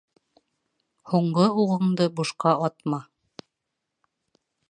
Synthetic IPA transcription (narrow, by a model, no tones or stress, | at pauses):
huɴɢɤuʁɤ̆ɴd̪ɤbuʃqɑɑt̪mɑ